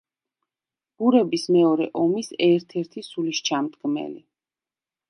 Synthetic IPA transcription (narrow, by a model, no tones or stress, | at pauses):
b̥uɾɛbismɛɔɾɛʔɔmisɛɾt̪ʰɛɾt̪ʰisuliʃt͡ʃʰamt̪ʼɡmɛ̰li